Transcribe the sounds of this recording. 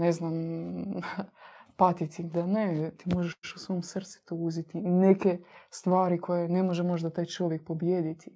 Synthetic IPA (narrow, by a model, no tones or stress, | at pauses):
neznam | pat̪it̪id̪anet̪iːmo̞ʒeʃusʋojomsr̩t̪si̥t̪ouzit̪iːnekest̪ʋaːɾikʰo̞jenemo̞ʒemo̞ʒd̪at̪aːjt͡ʃo̞ʋjek̚po̞bjeːd̪it̪i